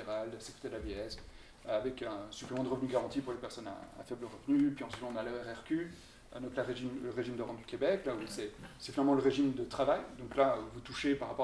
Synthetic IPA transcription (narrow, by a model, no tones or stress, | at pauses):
eʁald̪əasəkχet̪ed̪əlaveɛs | avɛkɛ̃syplemɑ̃d̪əʁəvnyɡaʁɑ̃t̪ipuʁlepɛʁsɔna̰ːfɛbləʁəvnyepɥiɑ̃sit̪ɔ̃naløɛʁɛʁkʲy | nɔ̃klaʁeʒimləʁeʒimd̪ɔʁɑ̃d̪ykʲebɛklausɛsɛ̥finalmɑ̃ləʁeʒimd̪ət̪χavajd̪ɔ̃klavut̪uʃepaʁapɔʁ